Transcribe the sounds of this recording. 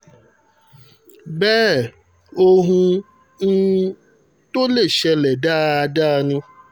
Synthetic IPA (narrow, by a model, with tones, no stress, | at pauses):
bɛː˦ | o˦ɦũ˧ | n̩˦ | t̪o˦le˦˨ʃɛ˧lɛ˨da˦a˧da˦˧nĩ˧